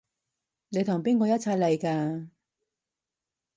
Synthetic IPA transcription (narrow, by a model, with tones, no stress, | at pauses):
ne˨˧jt̪ʰʊ˨˩ŋpiː˥ŋkɔː˧jɐ˥t̚t͡sʰaː˧jlɐ˨˩jkaː˧